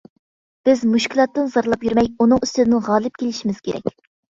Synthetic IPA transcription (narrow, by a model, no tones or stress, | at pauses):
b̥ɪzmuʃkʲilˠɑt̪ːɨnzɑɾlˠɑpjyɾmɛjunɨŋyst̪ɪd̪ɪnɪʁɑːlˠɨp̚kʲʰelɪʃimɪz̥kʲeɾɛ̰kʲ